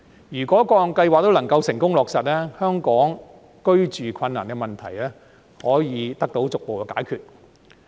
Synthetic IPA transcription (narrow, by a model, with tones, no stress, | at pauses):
jyː˨˩kʷɔː˨˥kɔː˧˨ŋkɐ˧jwaː˨k̚t̪o˥wlɐ˨˩ŋkɐ˧wsɪ˨˩ŋkʊ˥ŋlɔː˨k̚sɐ˨t̚lɛː˥hœː˥ŋkɔː˨˥ŋ | kɵ˥ɥt͡ʃyː˨kʰɐ˧nːaː˨˩nkɛ˧mɐ˨˩nt̪ʰɐ˨˩jlɛː˥ | hɔː˨˥jiː˨˧t̪ɐ˥k̚t̪o˨˥wt͡sʊ˨k̚po˨wkɛː˧kaː˨˥jkʰyː˨t̚